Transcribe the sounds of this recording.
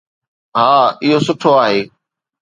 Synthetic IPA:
ɦaːɪɦosʊʈʰoaːɦeː

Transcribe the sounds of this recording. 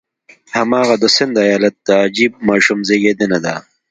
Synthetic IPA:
hɐmaːɣad̪əsɪnd̪ɐjaːlɐt̪̚ːaːd͡ʒiːb̚maːʃumzeːɡeːd̪enɐd̪a

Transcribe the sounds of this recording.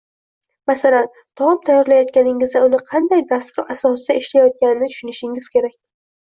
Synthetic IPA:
masalan | t̪ʰɒɪmt̪ʰajːɒɾlajɒt̪̚kʲanɪŋɪzd̪aʊnɪqʰɑnd̪ajd̪ast̪ʊɾasɒsɪd̪aeʃlajɒt̪̚kʲanɪnɪt̪ʰʊ̥ʃʊnɪʃɪŋɪz̥kʲe̞ɾak̚ʲ

